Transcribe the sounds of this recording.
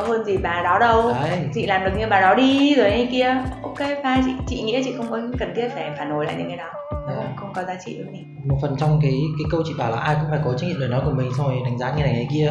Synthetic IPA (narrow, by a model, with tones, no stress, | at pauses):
ɔ˨˦whəː˧nzi˨˩ɓaː˨˩ɗɔ˨˦ɗə˧wt͡ɕḭ˧˨laː˨˩mɗɨ˨˩ək̚ɲɨ˧ɓaː˨˩ɗɔ˨˦ɗi˧zo˨˩jɲə˧˦ki˧əʔʔo˧wke˧˦faː˧jt͡ɕḭ˧˨t͡ɕḭ˧˨ŋḭ˧˥ət͡ɕḭ˧˨xə˧wŋ͡mməː˨˦jkə˨˩nt̪ʰi˦˥ət̚ɗaː˧˩˧faː˧˩no˨˦la̰ː˧˨jɲɨ̰˧ŋka˨˦ɗɔ˨˦˨xə˧wŋ͡mkɔ˨˦zaː˧t͡ɕḭ˧˨ɗɨ˨˦k̚mi˨˩ | mo˨˩t̚fə˨˩nt͡ɕɔ˧wŋ͡mk̬aː˨˦jkaː˨˦jkə˧wt͡ɕḭ˧˨ɓaː˨˩la̰ː˨˩ʔaː˧jkʊ̰˧˥ŋ͡mfaː˧˩ko˨˦t͡ɕa˦˥ŋɲi˧˨ɗəː˨˩nɔ˨˦ku˧˩mï˨˩ŋ̟t̪ʰo˧jɗa˨˦ŋ̟zaː˨˦ɲɨ˧˩na˨˩jŋa˨˩jki˧ə